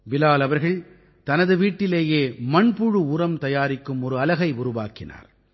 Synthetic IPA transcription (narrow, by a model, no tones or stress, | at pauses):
ʋɪlaːlɐʋɐɾɣɐɭ | t̪ɐnɐðɯʋiːʈːɪleːjeːmɐɳpʊɻɯʊrɐmt̪ɐjaːɾɪkːɯmɔɾɯɐlɐɣɐɪʊɾʊʋa̰ːkɪna̰ːɾ